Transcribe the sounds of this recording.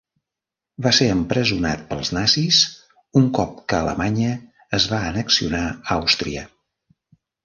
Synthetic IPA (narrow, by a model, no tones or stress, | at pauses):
baseɾəmpɾəzuna̰t̪̚pəlˠznasis | uŋkɔp̚kəːlə̰maɲəː | zβaənəksiunaawst̪ɾiə̰